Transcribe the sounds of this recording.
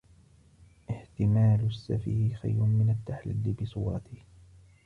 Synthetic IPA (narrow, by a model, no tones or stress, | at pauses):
ʔɪht̪ɪmaːlʊsːafiːhxa̰jɾʊmɪnat̪ːaħlɪlːɪbɪsˤuːɾˤɑt̪ɪh